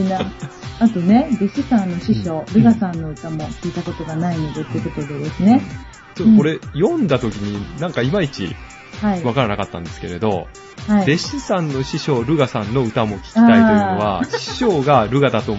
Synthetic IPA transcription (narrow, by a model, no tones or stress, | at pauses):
naat̪o̞ne̞d̪e̞ɕisãnːo̞ɕiɕo̞ːɾɯ̟ɡasãnːo̞ɯ̟t̪amo̞kʲiːt̪ako̞t̪o̞ɡanainod̪e̞t̪ːeɯ̟ko̞t̪od̪ed̪e̞sɨne̞ | t͡ɕoːokoɾe̞jõ̞nd̪at̪o̞kʲiɲ̟inãŋkaimait͡ɕḭ | haiβakaɾanakat̪ːã̰nd̪e̞sɨ̥ke̞ɾe̞d̪o̞̰ | haid̪e̞ɕisãnːo̞ɕiɕo̞ːɾɯ̟ɡasãnːo̞ɯ̟t̪amo̞kʲi̥kiḁt̪ait̪ooβaɕi̥ɕo̞ːɡaɾɯ̟ɡad̪at̪o̞